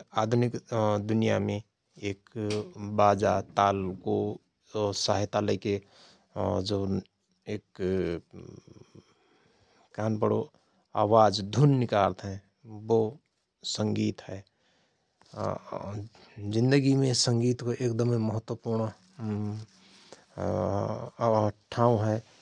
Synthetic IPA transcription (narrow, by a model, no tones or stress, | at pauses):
aːd̪ʱʊnɪkd̪ʊnija̰mẽ | eːk | baːd͡ʒat̪aːlko | saːɦɪt̪aləike | d͡ʒo | eːk | kaɦənbəɽo | a̰ːwaːd͡ʒd̪ʱunːɪkaːɾt̪ɦɛ̃ | bo | sə̃ŋɡiːt̪ɦɛː | zɪ̃nd̪əɡimẽsə̃ŋɡiːt̪koʔeːk̚d̪əmeməɦət̪wəpuɾɳ | ʈʰãːũɦɛː